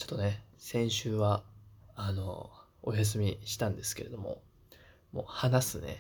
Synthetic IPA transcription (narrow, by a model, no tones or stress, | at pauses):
t͡ɕo̥t̪ːone̞sẽ̞ɰ̃ɕɨːβaano̞̰ | ojas̬ɨmʲiɕi̥t̪ãnd̪e̞sɨ̥ke̞ɾe̞d̪o̞mo̞̰ | mo̞̰ːhanasɨne̞̰